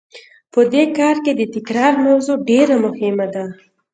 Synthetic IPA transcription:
pəd̪ekɑɾked̪ət̪ɪkɾɑɾmawzoɖeɾamʊhɪmad̪a

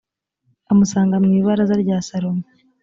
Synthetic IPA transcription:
amusaːŋɡamŋiːβaɾazaɾɟaːsaɾome

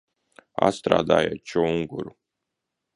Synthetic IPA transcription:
a̰st̪ɾa̰ːd̪aːjat͡ʃɔuŋɡṵɾu

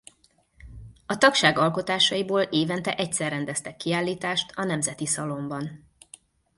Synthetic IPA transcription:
ɒt̪ɒkʃaːɡɒlko̞t̪aːʃɒjiboːleːvɛnt̪ɛʔɛcsɛrːɛnd̪ɛst̪ɛkːiaːlːiːt̪aːʃt̪ʰɒnɛmzɛt̪isɒlo̞mbɒn

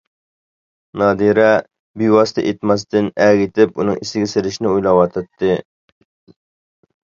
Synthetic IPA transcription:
nɑːd̪iɾɛ | biwɑsɨ̥t̪ʰɑ̰ʔet̪mɑs̬t̪ɪnɛɡʲit̪ʰɪpunɨŋisɪɡʲɛseɾɪʃnɪujlˠɑwɑt̪ʰɨt̪ʰːɨ

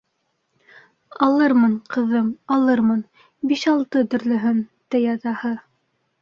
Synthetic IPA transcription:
ɑlˠɤɾmɤɴqɤ̆ðɤmɑlˠɤɾmɤn | biʃɑlˠt̪ɤt̪ɵ̆ɾlɵ̆ɦɵnt̪æjɑt̪ɑhɤ

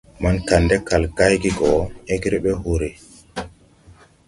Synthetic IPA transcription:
mankandɛkalɡajɡiɡɔeɡɾɛɓɛɦoɾe

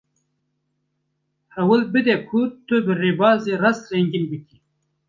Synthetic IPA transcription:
hɐwəlbɨd̪ekʰut̪obɨribɑːziɾɐst̪ɾeŋɡinbiki

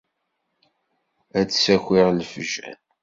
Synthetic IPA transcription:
ædsæxʷɪʁlfʒæ̰n

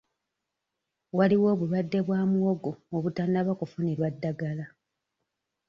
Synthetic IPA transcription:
waliwo̞ːβulwadːe̞βwaːmwoɡooβutaːndaβakufuneɾwadːaɡala

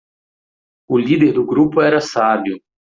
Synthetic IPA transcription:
ʊlid̪eɾd̪ʊɡɾupʊɛɾɐsabjʊ

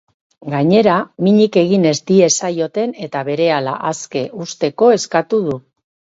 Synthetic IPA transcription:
ɡaɲe̞ɾamiɲike̞ɣine̞zd̪ie̞sajo̞t̪e̞ne̞t̪aβe̞ɾe̞ala̰ʔaske̞ʔust̪e̞ko̞e̞skat̪uðu

